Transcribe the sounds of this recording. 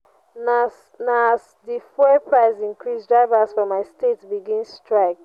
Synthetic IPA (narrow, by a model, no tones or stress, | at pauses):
na | nas | difepʰɹaɪsĩnkɹisdɹaɪvasfɹɔ̃mːaɪstetbiɡĩnsstɹaɪk